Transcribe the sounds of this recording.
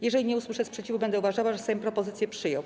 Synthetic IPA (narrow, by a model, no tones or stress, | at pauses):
jɛʐɛlʲiɲɛuswɘʂɛspʂɛt͡ɕivubɛnd̪ɛuvaʐawaʐɛsɛjɔ̃pɾɔpɔzɘt̪sjɛpʂɘjɔ̃w̃